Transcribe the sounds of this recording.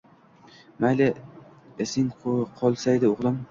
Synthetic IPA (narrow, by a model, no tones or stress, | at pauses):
majlʲɪ | esɪŋqʰɒlˠsajd̪ɪoʁlˠɪm